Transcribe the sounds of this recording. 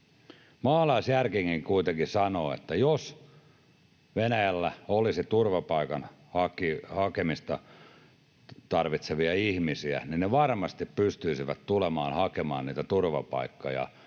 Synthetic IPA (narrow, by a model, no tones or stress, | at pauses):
mɑːlɑisjærkiŋːiŋkuit̪eŋkisɑnoːḛt̪ːæjos | ʋenæjælːæolisit̪urʋɑpɑikɑn | hɑkihɑkemist̪ɑ | t̪ɑrʋit̪seʋiɑihmisiæ̰ninneʋɑrmɑst̪ippyst̪yisiʋæt̪t̪ulemɑːnhɑkemɑ̰ːnniːt̪æt̪urʋɑ̰pɑ̰ikːɑjɑ̰